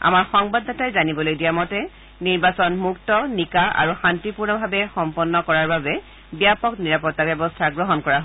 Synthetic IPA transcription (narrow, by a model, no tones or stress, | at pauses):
a̰maɹxɔŋbadːatajzanibɔlojdijamɔtɛ | niɹbasɔnmuk̚tɔnikaʔa̰ɹuxantipuɹnɔbʱabɛxɔmpɔnːɔkɔɹaɹbabɛ | bijapɔkniɹapɔtːabjɛbɔstʰaɡɹɔɦɔnkɔɹaɦ